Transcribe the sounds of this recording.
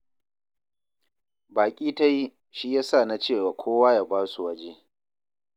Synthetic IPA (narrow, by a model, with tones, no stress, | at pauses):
baː˨kʲʼiː˦ta˦ji˦ | ʃi˦jaː˦sa˦˨na˦t͡ʃeː˦˨waː˨kʷʰoː˦waː˦ja˦baː˦su˨wɐ˦d͡ʒeː˦